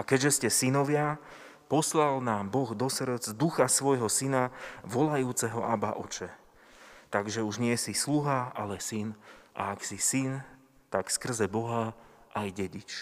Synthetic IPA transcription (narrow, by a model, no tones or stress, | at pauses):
akɛɟʒɛscɛsinɔʋɪa | pɔslalnaːmbɔɣd̪ɔsr̩d͡zd̪uxasʋɔjɦɔsinaʋɔlajuːt͡sɛɦɔʔaba̰ʔɔt͡ʃɛ | t̪aɡʒɛuʒɲɪɛsisluɦaalɛsinʔa̰aksisin | t̪akskr̩zɛbɔɦaʔajɟɛɟit͡ʃ